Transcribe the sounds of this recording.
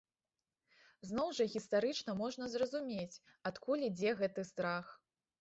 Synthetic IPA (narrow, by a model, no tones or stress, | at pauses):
znɔwʐɐɣʲist̪aɾɨt͡ʂnɐmɔʐnɐzrɐzumʲet͡sʲ | at̪kulʲid͡zʲɛɣɛt̪ɨst̪ɾax